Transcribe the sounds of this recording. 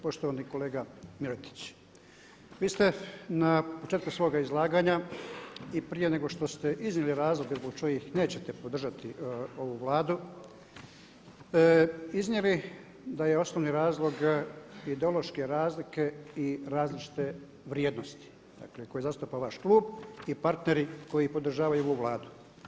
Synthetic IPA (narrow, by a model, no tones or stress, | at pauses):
po̞ʃt̪oʋaniko̞le̞ːɡamiɾot̪i̥t͡ɕ | ʋiːst̪e̞napo̞t͡ʃeːt̪kusʋo̞ːɡaizlˠaːɡaːɲa | ipɾije̞ne̞ɡo̞ʃt̪o̞st̪e̞ʔiznjeliɾaːzlˠo̞ɡezboɡ̚t͡ʃo̞jixne̞ːt͡ɕe̞t̪e̞po̞d̪r̩ʒat̪io̞ʋuʋlˠaːd̪u | iznjeli | d̪ajeo̞snoʋniɾaːzlˠo̞ɡid̪eo̞lˠo̞ʃke̞ɾaːzlike̞iɾaːzlit͡ʃi̥t̪e̞ | ʋɾjeːd̪nost̪i̥ | d̪̥a̰kle̞ko̞jezast̪opaʋaʃkluːbipaɾt̪ne̞ɾiko̞jipo̞d̪r̩ʒaːʋajuoʋuʋlˠaːd̪u